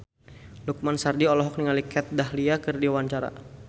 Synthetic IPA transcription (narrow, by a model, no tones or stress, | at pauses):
luk̚mansardiɔlɔɦɔk̚niŋalikɛt̪̚daɦliakɨrdiwaɲt͡ʃaɾa̰